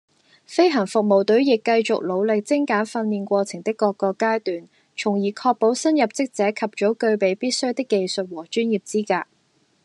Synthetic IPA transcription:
fe˥jɦɐ˨˩ŋfʊ˨k̚mo˨˩wt̪ɵ˨˥ɥjɪ˨kːɐ˧jt͡sʊ˨k̚lo˨˧wlɪ˨k̚t͡sɪ˥ŋkaː˨˥nfɐ˧nliː˨˧nkʷɔː˧t͡sʰɪ˨˩ŋt̪ɪ˥kːɔː˧kːɔː˧kːaː˥jt̪yː˨n | t͡ʃʰʊ˨˩ŋjiː˨˩kʰɔː˧k̚po˨˥wsɐ˥njɐ˨p̚t͡sɪ˥k̚t͡sɛː˨˥kʰɐ˨p̚t͡ʃɔ˨˥kɵ˧ɥpe˨˧jpiː˥t̚sɵ˥ɥt̪ɪ˥kːe˨˧jsɵ˨t̚wɔː˨˩t͡ʃyː˥njiː˨˩p̚t͡siː˥kaː˧

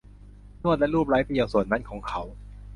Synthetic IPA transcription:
nu˥˩ət̪̚lɛ˦˥ʔɾuː˥˩p̚ɾaː˦˥jpi˧˩jaː˨˩su˨˩ən̚ma˦˥nkʰɔː˩˦ŋkʰa˦˥w

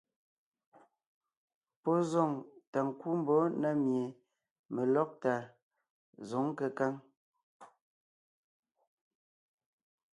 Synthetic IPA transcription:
pɔ˦zɔ˨ŋta˨ŋ̩˨ku˦m̩˦bɔ˨˦na˦mje˨ | me˨lɔ˦k̚ta˨ | zɔ˨˦ŋ˦kə˨ka˦ŋ

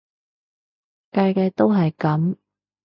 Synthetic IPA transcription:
kaː˧jkɛː˧t̪o˥wɦɐ˨jkɐ˨˥m

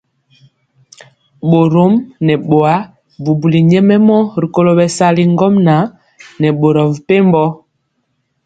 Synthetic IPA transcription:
ɓo˨ɾo˦mnɛ˨ɓo˨a˦ | bu˨bu˨li˨ɲɛ˦mɛ˦mɔ˦ɾi˨ko˦lo˦ɓɛ˨sa˦li˦ŋ˦ɡɔ˦mna˨˦ | nɛ˨ɓo˨ɾɔ˨vpe˦m˦bɔ˦

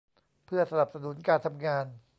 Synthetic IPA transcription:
pʰɯ˥˩ɐsa˧na˨˩p̚sa˧nu˩˦nkaː˧nt̪ʰa˧mŋaː˧n

